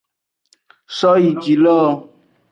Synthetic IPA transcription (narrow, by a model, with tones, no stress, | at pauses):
sɔ˦ji˨d͡ʒi˨lɔ˦